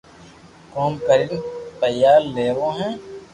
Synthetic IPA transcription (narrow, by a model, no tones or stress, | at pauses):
kɔːmkəɾinpəjaːlːeːʋõːɦɛ̃ː